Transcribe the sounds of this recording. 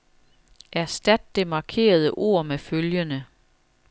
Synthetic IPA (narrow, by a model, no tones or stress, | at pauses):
ʔæɐsd̥æd̥ːe̝mɑ̈kʰe̝̰ːɐð̞ˠəʔo̝̰ːɐ̰meføljənə